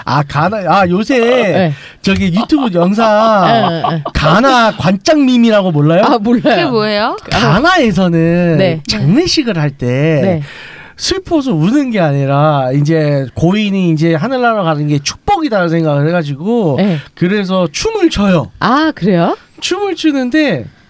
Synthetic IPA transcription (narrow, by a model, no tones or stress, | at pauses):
a̰kanaajosʰe | t͡ɕʌɡijutʰjubujʌŋs̬ʰa | kanakwant͡ɕ͈aŋmimiɾaɡomoɭːajomoaemoejokanae̞s̬ʰʌnɯnet͡ɕaŋnɯɕʰiɡɯɭhaɭt͈e̞e | sʰɯɭpʰos̬ʰʌunɯnɡe̞aɲiɾaind͡ʑe̞koiniːnd͡ʑe̞ɦanɯɭːaɾokanɯnɡe̞t͡ɕʰu̥k̚p͈ʌɡidaɾasʰe̞ŋɡaɡɯɭɦeɡad͡ʑiɡokɯɾe̞s̬ʰʌt͡ɕʰumɯɭt͡ɕʰʌjʌakɯɾejo | t͡ɕʰumɯɭt͡ɕʰunɯnde̞